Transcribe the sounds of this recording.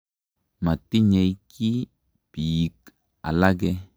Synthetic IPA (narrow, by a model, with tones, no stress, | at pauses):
ma˨ti˦ɲe˨jki˦ | b̥i˨k | a̰˨la˦ɡɛ˦